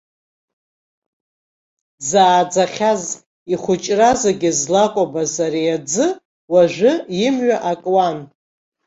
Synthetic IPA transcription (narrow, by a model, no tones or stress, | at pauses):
zaːd͡zaχʲaz | iχʷʊt͡ʃʼrazaɡʲɪzlakʷʼabazaɾiad͡zɨ | waʒʷɨjɪmɥaʔakʼwan